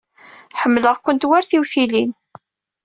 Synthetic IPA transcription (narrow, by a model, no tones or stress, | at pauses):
ħəmːləʁkʷənt̪waɾθiwθilin